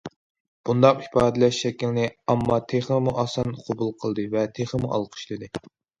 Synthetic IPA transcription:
b̥und̪ɑqi̥pɑːd̪ɪlɛʃːɛkʲilɪnɪɑmːɑt̪ʰeχmuʔɑsɑnqʰobulˠqʰəlˠd̪ɨvɛt̪ʰeχəmuʔɑ̰lˠqʰə̥ʃlˠɨd̪ɨ

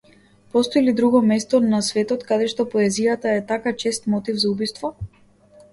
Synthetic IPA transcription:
pɔst̪ɔilid̪ɾuɡɔmɛst̪ɔnasvɛt̪ɔt̪kad̪ɛʃt̪ɔpɔɛzijat̪aɛt̪akat͡ʃɛst̪mɔt̪ivzaubist̪vɔ

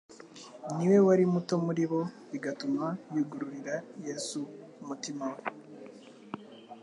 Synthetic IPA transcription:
niwe̞waɾimutomuɾiβo̞ | iɡatumajuɡuɾuɾiɾajesu | mutimawe

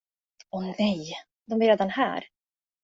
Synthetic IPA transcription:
ɔnɛj | d̪ɔmɪɾɛːd̪anhæ̰ːɾ

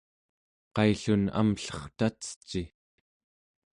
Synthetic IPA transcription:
qɑjɬuna̰mɬʌ̥χt̪at͡sə̥t͡ʃːi

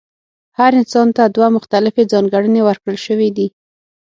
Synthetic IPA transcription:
haɾɪnsɑnt̪ad̪wamʊxt̪alɪfed͡zɑnɡaɽənewəɾkɽəlʃəwid̪i

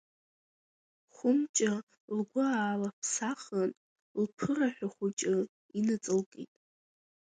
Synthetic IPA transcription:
χʷʊmt͡ʃʼɪ | lɡʷʊaːlapʰsaχən | lpʰɨraħʷᶣaχʷʊt͡ʃʼɪ | inɨt͡sʼɨlkʼḭtʼ

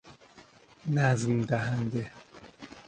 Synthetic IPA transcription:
nazɨn̩daɦandɛ

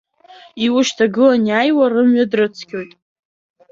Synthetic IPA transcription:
iwʊʃtʰaɡɨlanjajwarɨmɥadrɨt͡sʰkʲʰʼo̞jtʼ

